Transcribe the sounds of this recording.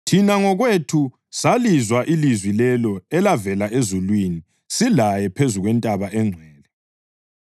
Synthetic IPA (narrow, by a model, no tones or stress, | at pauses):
tʰinaŋɔɣwetʰu | salizwaʔilizwilɛlɔɛlavɛlaezulwini | silajɛpʰezuɣwɛntʼaβaʔɛŋ͡ǀʱɛːlɛ